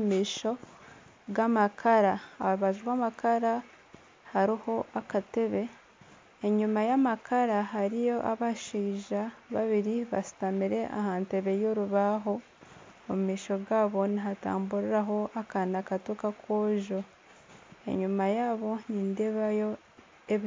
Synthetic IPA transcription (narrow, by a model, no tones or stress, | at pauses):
miːʃo̞ | ɡamakʰaɾaaɾuβaʒiɾwaːmakʰaɾa | haɾiho̞ʔakate̞βe̞ | eɲumajamakʰaɾaɦaɾijo̞ʔaβaʃiːʒaβaβiɾiβa̰si̥tamiɾe̞ʔa̰haːnte̞βe̞jo̞ɾuβaːɦo̞ː | mumiːʃo̞ɡaːβo̞niɦata̰ːmbuɾiɾaɦo̞ʔakanakatukakʰwoːʒo | e̞̰ɲumajaːβo̞ɲiːndeβajo̞ | ei